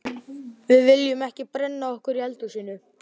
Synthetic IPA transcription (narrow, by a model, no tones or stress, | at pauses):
vɪðvɪljʏmɛhcɪpɾɛnːaɔhkʏɾihɛlt̪usiːnːʏ